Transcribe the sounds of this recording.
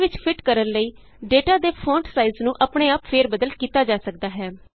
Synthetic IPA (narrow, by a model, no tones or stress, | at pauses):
ʋɪt͡ʃpʰɪʈkəɾənləiː | ɖeːʈaːd̪eːpʰõːɳʈsaːiznũːʔəpɳeːaːpfʰeːɾbəd̪əlkiːt̪aːd͡ʒaːsəkd̪aːɦɛː